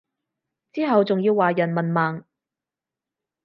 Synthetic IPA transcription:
t͡siː˥ɦɐ˨wt͡sʊ˨ŋjiː˧wːaː˨jɐ˨˩nmɐ˨nmaː˨˩ŋ

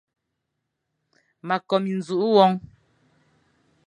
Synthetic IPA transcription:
ma˨kɔ˨mi˨n̩˨zu˨ʔu˦wɔ˦ŋ

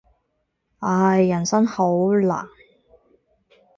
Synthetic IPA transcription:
ʔaː˧jːɐ˨˩nsɐ˥ŋho˨˥wla̰ː˨˩ŋ

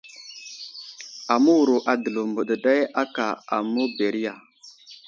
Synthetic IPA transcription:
a˨mu˦wu˨ɾo˨ʔa˨də˨lo˨mbə˨ɗə˨ɗa˦ja˦ka˨a̰˨mu˦be˨ɾi˦ja˨

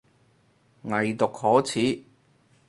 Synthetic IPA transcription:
ŋɐ˨jt̪ʊ˨k̚hɔː˨˥t͡sʰiː˨˥

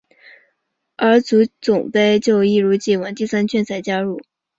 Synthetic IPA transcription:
ə˞˧˥t͡su˧˥t͡sʊ˨˩ŋpe˥˧ɪt͡ɕjo˥˧ʊi˥˩ɻu˧˥t͡ɕi˥˩wə˧˥nt̪i˥˩sa˥nt͡ɕʰɥɛ˥˩nt͡sʰa˨˩ɪt͡ɕja˥ɻu˥˩

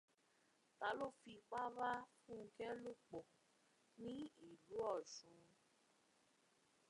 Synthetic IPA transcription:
ta˧˦lo˦˨fi˧k͡pa˦ɾa˦fũ˦˧kɛ˦lu˦k͡po˨ | nĩ˦i˦˨lu˨˦ɔ˦˨sũ˨˦˧

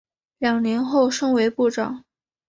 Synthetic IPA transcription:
ljɑ˨˩ŋnjɛ˧˥nxo˥˩ʊʂɤ˥ŋwe˧˥ɪpu˥˩ʈ͡ʂɑ˨˩˦ŋ

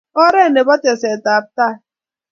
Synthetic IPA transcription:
ɔ˦ɾe˦˨ne˨ba˦te˨se˨ta˨b̚ta˦˨

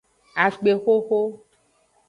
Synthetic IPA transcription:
a˨k͡pe˨xo˦xo˦

